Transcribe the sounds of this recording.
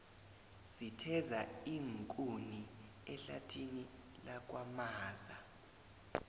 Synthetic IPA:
sitʰɛzaiŋkʼuni | ɛɬa̰tʰini | lak̬wamaːza

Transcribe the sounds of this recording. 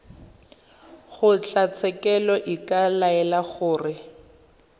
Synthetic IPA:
χʊt͡ɬat͡sʰɛkɛlɔʔikalaɛlaɣʊːrɪ

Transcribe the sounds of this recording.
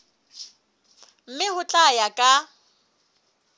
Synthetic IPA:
m̩mɪhʊt͡ɬʼajakʼa

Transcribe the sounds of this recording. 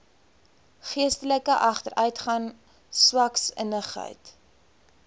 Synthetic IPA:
χiəstələkəʔɐχtəɾœɥtχɐn | swɐksə̰nəχɦə̰jt

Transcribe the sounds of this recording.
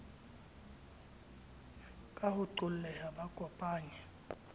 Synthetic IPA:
kʼahʊǀul̩lɛhaɓaɡʼɔpʼaːɲɛ

